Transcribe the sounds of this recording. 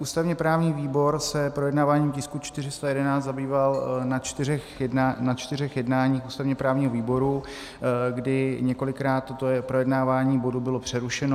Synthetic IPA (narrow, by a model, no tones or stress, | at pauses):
ʔuːst̪avɲɛpɾaːvɲiːviːbo̞ɾsɛpɾojɛdnaːvaːɲiːmcɪskut͡ʃt̪ɪrɪst̪ajɛdɛnaːt͡szabiːvalnat͡ʃt̪ɪrɛxanat͡ʃt̪ɪrɛxjɛdnaːɲiːxuːst̪avɲɛpɾaːvɲiːɦoviːbo̞ɾu | ɡdɪɲɛko̞lɪkɾaːt̪ːot̪opɾo̞jɛdnaːvaːɲiːbo̞dubɪlo̞pr̝̥ɛɾuʃɛno